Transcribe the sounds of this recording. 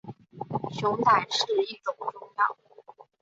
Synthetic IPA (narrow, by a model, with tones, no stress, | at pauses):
ɕjʊ˧˥ŋt̪a˥˩ɪʂɻ̩˥˩i˥˩ʈ͡ʂʊ˥˩ŋʈ͡ʂʊ˥ŋt̪ɑ̰˨˩˦